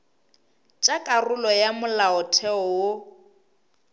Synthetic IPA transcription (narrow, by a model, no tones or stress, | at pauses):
t͡ʃʼakʼarʊlɔjamʊlaɔtʰɛɔwo